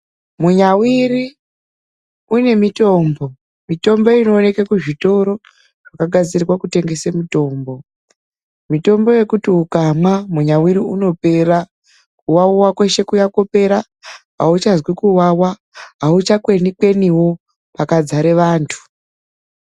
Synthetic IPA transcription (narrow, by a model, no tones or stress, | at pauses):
muɲawiri | une̞mito̞ːmbo̞ | mito̞mbo̞ino̞ːne̞kekuʐito̞ɾo̞ | ʐ̥akaɡʱad͡ziriwakute̞ŋɡe̞semito̞ːmbo̞ | mito̞mbo̞je̞kutiukamamuɲawiɾiuno̞pe̞ɾa | kuwauwakwe̞ʃe̞kujako̞pe̞ɾa | ɦa̰ut͡ʃazwikuwawa | ɦaut͡ʃakwenikwe̞niwo̞ | pakad͡zaɾe̞ʋaːntʰu̥